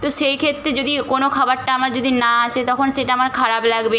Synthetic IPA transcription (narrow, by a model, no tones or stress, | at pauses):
t̪oʃejkʰet̪ːɾed͡ʑod̪ikonokʰabaɾʈaamaɾd͡ʑod̪ʱinaaʃʰet̪ɔkʰonʃeʈaamaɾkʰaɾablaɡbe